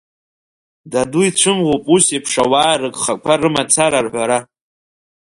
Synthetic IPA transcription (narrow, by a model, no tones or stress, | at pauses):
daduit͡ʃʷʰɨmʁopʼusipʰʂawaːrɨɡχakʷʰarɨmat͡sʰaɾarħʷaɾa